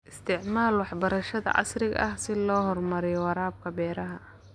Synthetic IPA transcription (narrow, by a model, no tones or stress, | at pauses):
ʔɪst̪ʰɪʕmaːlwɑħbɐɾɐʃɐðɐ̰ʔɑ̰srɪɣʔɐ̰hsɪlɔːɦɔrmɐɾɪjɔwɑɾaːb̚kʰɐbɛːɾɐɦɐ